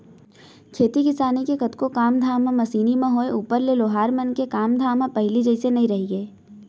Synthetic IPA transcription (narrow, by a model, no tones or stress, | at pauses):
kʰeːt̪ikɪsaːnikekɐt̪kokaːmd̪ʱaːmãmɐsiːnimẽɦoːeʔuːpəɾleloːɦaːɾmɐnkekaːmd̪ʱaːmãpɐɦɪlid͡ʒɐɪsenɐɦĩɾɐɦiɡeː